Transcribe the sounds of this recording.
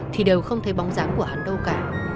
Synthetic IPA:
t̪ʰi˨˩ɗe˨˩wxə˧wŋ͡mt̪ʰe˧˩ɓɔ˨˦wŋ͡mzaː˨˦ŋku˧˩əha˨˩ŋ̟ɗə˧wkaː˧˩

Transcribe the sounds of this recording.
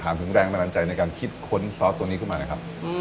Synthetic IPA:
t̪ʰaː˨˩˦nt̪ʰɯ˩˦ŋɾɛː˧ŋt̪ʰa˧na˨˦˥t͡ɕa˧jna˧jkaː˧nkʰi˦˥˩t̪̚kʰo˦˥nsɔː˦˥t̪ːu˧əniː˦˥kʰmaː˧na˦˥˩kʰp̚

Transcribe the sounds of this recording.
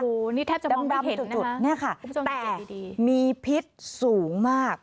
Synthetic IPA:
oː˧niː˦˥˩t̪ʰa˥˩t͡ɕa˨˩˧ɔ˧a˧he˨˩˦u˨˩n˦u˨˧˦ni˥˩ɐkʰa˥˩u˩˦˥o˧ɛː˧˨˩i˧diː˧miː˧pʰi˦˥t̪̚suː˩˦ŋmaː˥˩k̚

